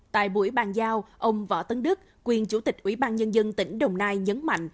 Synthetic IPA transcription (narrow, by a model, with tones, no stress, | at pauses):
t̪a̰ː˧˨jɓṵ˧˩əjɓaː˨˩nzaː˧wʔə˧wŋ͡mvə̰ː˧˩t̪ə˨˦ŋɗɨ˦˥k̚kwi˨˩ənt͡ɕu˧˩t̪ï˨˩k̟̚ʔwi˧˩˦ɓaː˧nɲə˧nzə˧nt̪ï˧˩ŋ̟ɗə˨˩wŋ͡mnaː˧jɲə˨˦nma̰˧˨jŋ̟